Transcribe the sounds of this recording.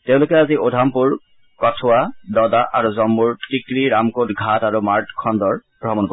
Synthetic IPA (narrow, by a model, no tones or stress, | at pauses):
teʊ̃lʊkɛaziodʱampuɹ | kɔtʰʊwadɔdaʔaɹuzɔmːuɹtikɹiɹamkotɡʱataɹumaɹtkʰɔndɔɹb̥ɹɔmɔnbɔ